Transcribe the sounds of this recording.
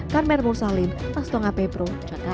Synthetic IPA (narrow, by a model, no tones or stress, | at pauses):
karmɛrmursalɪnt̪ast̪ɔŋapepɾo